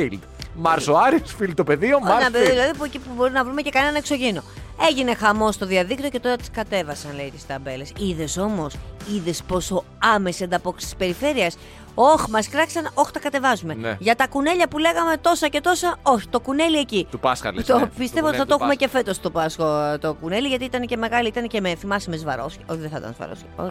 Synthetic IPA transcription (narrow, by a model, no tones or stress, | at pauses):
ild̪mɐɾsoɐɾiosfild̪̚t̪ope̞ðioenɐpeðioðilɐðipuecipubo̞ɾinɐvɾumece̞kɐne̞nɐekso̞ʝino̞e̞ʝine̞xɐmo̞st̪o̞ðiɐðik̚t̪io̞ce̞t̪o̞ɾɐt̪i̥skɐt̪e̞vɐsɐnle̞it̪i̥st̪ɐbe̞le̞siðe̞so̞mo̞siðe̞spo̞so̞ | ɐme̞siɐnd̪ɐpo̞kst̪i̥spe̞ɾife̞ɾiɐs | o̞çmɐskɾɐksɐno̞çt̪ɐkɐt̪e̞vɐzume̞ʝɐt̪ɐkune̞ʎɐpule̞ɣɐme̞t̪o̞sɐce̞t̪o̞sɐo̞çi̥t̪o̞kune̞liecit̪pɐsɐ̰t̪opist̪evot̪iθɐt̪oxumece̞fe̞t̪o̞st̪opɐsot̪okune̞liʝɐt̪iit̪ɐnece̞me̞ɣɐliit̪ɐnece̞meθimɐsimezvɐɾosot̪iðeθit̪ɐ̰zvɐ̰ɾo̰s